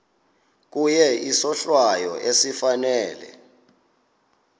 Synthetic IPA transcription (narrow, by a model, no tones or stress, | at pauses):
k̬ujɛisɔɬwajɔ̰ʔesifanɛːlɛ̰